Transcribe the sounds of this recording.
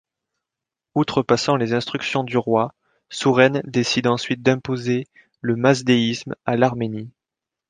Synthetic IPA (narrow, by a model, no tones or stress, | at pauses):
ut̪χəpasɑ̃lezɛ̃st̪χyksjɔ̃d̪yʁwa | suʁɛnd̪esid̪ɑ̃sɥit̪̚d̪ɛ̃poze | ləmazd̪eismalaʁmeni